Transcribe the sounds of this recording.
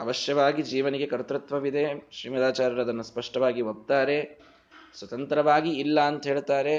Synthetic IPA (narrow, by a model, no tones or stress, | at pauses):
ɐʋɐʃjɐʋaːɡid͡ʒiːʋɐniɡe̞kɐɾt̪ɾut̪ʋɐʋid̪ʱeʃɾiːmɐd̪aːt͡ʃaːɾɐɾɐd̪ɐnːɐspɐʂʈɐʋaːɡiɦob̚t̪aːɾe̞ | sʋɐt̪ɐnt̪ɾɐʋaːɡiːlːɐːnt̪ɐɦeːɭt̪aːɾe